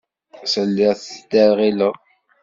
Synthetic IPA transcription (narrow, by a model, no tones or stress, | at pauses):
səlːɪʁθd̪æɾʁiləʁ